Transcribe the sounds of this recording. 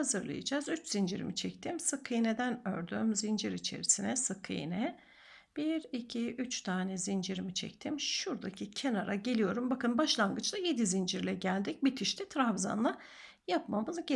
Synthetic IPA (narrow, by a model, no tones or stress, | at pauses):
azɯɾlˠa̰ja̰d͡ʒazyt͡ʃz̥ind͡ʒiɾḭmit͡ʃʰɛc̚t̪ʰimsɯkʰːɯjned̪ænø̰ɾd̪ymzind͡ʒiɾit͡ʃʰe̞̰ɾisinɛsɯkʰːɯ̰j̰nɛ | b̥iɾicʰiyt͡ʃt̪ʰaːnɛzind͡ʒiɾimit͡ʃʰɛ̰c̚t̪ʰimʃuɾd̪acʰicʰe̞naɾaɟe̞lʲijo̞ɾumbakɯnbaʃlˠanɡɯt͡ʃt̪aje̞d̪izind͡ʒiɾlʲɛɟælʲd̪ic̚bit̪ʰiʃt̪ʰɛt̪ʰɾavza̰nlˠa | japmamɯzɟe